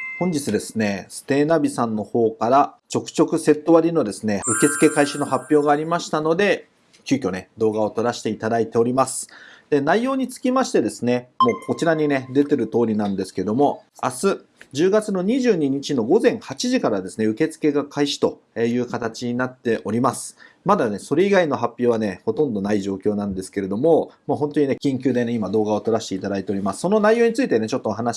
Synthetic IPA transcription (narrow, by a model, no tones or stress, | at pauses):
hõ̞ɲ̟d͡ʑit͡sɨd̪e̞sɨ̥ne̞sɨ̥t̪e̞ːnabʲisãnːo̞ho̞ːkaɾat͡ɕo̞kɯ̟̥t͡ɕo̞kɯ̟se̞t̪ːo̞βaɾʲino̞d̪e̞sɨne̞ɯ̟ke̞t͡sɨ̥ke̞kaiɕino̞hapʲːjo̞ːɡaːɾʲimaɕi̥t̪ano̞d̪e̞ | kʲɯːkʲo̞ne̞d̪o̞ːɡao̞t̪o̞ɾaɕi̥t̪e̞it̪ad̪ait̪e̞o̞ɾʲimasɨ̥d̪̥e̞naijo̞ːɲ̟it͡sɨ̥kʲimaɕi̥t̪e̞d̪e̞sɨne̞mo̞ːkʰo̞t͡ɕiɾaɲ̟ine̞d̪e̞t̪e̞ɾɯ̟t̪o̞ːɾʲinãnd̪e̞sɨ̥ke̞d̪o̞mo̞a̰sɨ | d͡ʑɨːɡat͡sɨno̞ɲ̟iʑɨːɲ̟iɲ̟it͡ɕino̞ɡo̞zẽ̞ɰ̃hat͡ɕiʑikaɾad̪e̞sɨneɯ̟ke̞t͡sɨ̥ke̞ɡakʰaiɕi̥t̪o̞ | e̞jɯ̟ːkat̪at͡ɕiɲ̟inat̪ːe̞ʔo̞ɾʲimasɨ̥mad̪ane̞so̞ɾe̞iɡaino̞ɦapʲːo̞ːβane̞ho̞t̪õ̞nd̪o̞naiʑo̞ːkʲo̞ːnãnd̪e̞sɨ̥ke̞ɾe̞d̪o̞mo̞maːɦõ̞nt̪o̞ɲ̟ine̞kʲĩŋkʲɨːd̪e̞ne̞imad̪o̞ːɡao̞t̪o̞ɾaɕi̥t̪e̞it̪ad̪ait̪e̞o̞ɾʲimasɨ̥so̞no̞naijo̞ːɲ̟it͡sɨit̪e̞ne̞t͡ɕo̞t̪ːoɦana